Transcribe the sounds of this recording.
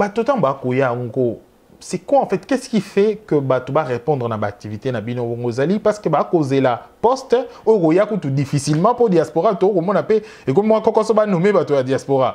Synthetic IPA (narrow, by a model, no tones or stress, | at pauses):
batotãbakojaŋɡo | sɛkwãfɛtkɛskifɛkəbatobaʁepɔ̃ndʁənabaːk̚tivitenabinoboŋɡoezalipaskəbakozelapɔstojokojakutudifisilmɑ̃podjaspoʁatokomɔnape | ekomiboŋakɔkɔsɔbanomebatojadiaspoʁa